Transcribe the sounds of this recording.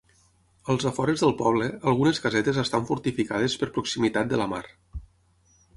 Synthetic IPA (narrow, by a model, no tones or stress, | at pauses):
əlˠzəfɔɾezðəlˠpɔβləəlˠɣuneskəzɛt̪ezəst̪aɱfuɾt̪ifikað̞espəɾpɾuksimit̪at̪̚d̪ələma̰ɾ